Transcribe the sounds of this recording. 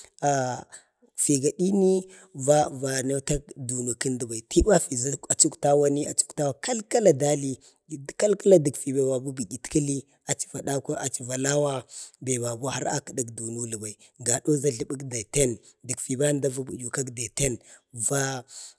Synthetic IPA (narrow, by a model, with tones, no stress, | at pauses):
a˨ | fi˨ɡa˨ɗi˦ni˦ | va˦va˨na˦ta˦kdu˨nu˨ki˦ndə˨ba˨i˨ti˦wa˦fi˨za˦a˨t͡ʃu˦kta˦wa˦ni˦a˨t͡ʃu̥˦kta˦wa˦˨ka˦lka˦la˨da˦li˦˨ | ka˦lka˦la˦də˨ɡfi˨ba˨wa˨bu˦bi˨ɡʲi˨tka˦li˦ | a˨t͡ʃi̥˨va˨da˦ka˦a˨t͡ʃi˨va˨la˦wa˦be˨ba˨ɡa˦ha˦ɾa̰˦kə˨da˦kdu˨nu˦lu˨ba˨i˨ | ɡa˨ɗo˦za˦ɮə˨ɓu˦kda˨te˦n | di˨ɡfi˨ba˦n˦da˦va˦bu˨ju˨ka˦kda˨te˦nva˦